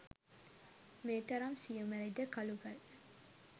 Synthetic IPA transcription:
meːt̪ɐɾɐmsijumæɾed̪əkɐluɡɐl

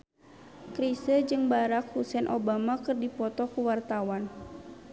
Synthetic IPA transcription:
kɾisəd͡ʒɨŋbaɾak̚husɛnʔobamakɨrdipɔt̪ɔkuwart̪awan

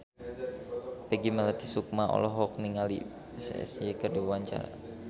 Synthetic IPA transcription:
pəɡimələt̪isuk̚maʔɔ̰lɔɦɔk̚niŋalḭ | ɛsɛ̰sjekərdawaɲt͡ʃa̰ɾa̰

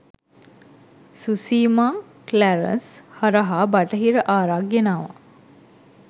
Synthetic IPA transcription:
susiːmaː | klæɾə̰nshaɾəɦaːbaʈəɦiɾəʔaːɾaɡenaːʋa̰

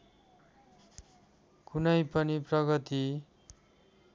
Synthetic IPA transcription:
kunʌjpʌniprʌɡʌt̪i

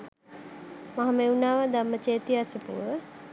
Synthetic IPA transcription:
maɦameunaːʋəd̪amːət͡ʃeːt̪iasəpṵːʋə

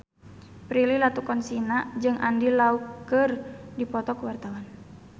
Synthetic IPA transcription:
pɾililat̪ukɔnsinad͡ʒɨŋʔa̰ndilaukərdipɔt̪ɔkuwart̪awan

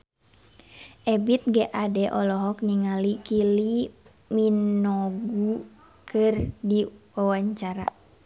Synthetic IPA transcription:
ʔɛbit̪̚ɡɛʔadɛʔɔlɔɦɔk̚niŋalikili | minɔɡu | kʰɨrdiwawaɲt͡ʃaɾa̰

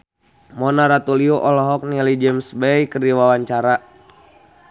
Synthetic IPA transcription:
mɔnaɾat̪uliuʔɔlɔɦɔk̚nilid͡ʒɛmsbejkərdiwawaɲt͡ʃaɾa

